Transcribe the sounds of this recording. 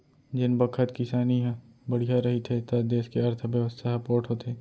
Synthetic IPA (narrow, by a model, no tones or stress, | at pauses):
d͡ʒɪnbɐkʰət̪kɪsaːniɦ | bɐɽ̤ijaɾɐɦit̪ʰet̪ɐd̪eːskeɐɾt̪ʰəbjɐʋəst̪ʰaɦɐpoːɾʈɦot̪ʰeː